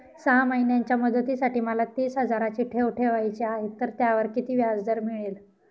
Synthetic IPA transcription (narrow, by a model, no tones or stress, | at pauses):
səɦaməinjaɲt͡ɕjaməd̪ət̪isaʈiːməlat̪iːsɦəd͡zaɾat͡ɕiːʈʰeʋʈʰeʋajt͡ɕeaɦet̪ːəɾt̪jaʋəɾkit̪iːʋjad͡zd̪əɾmiɭiːl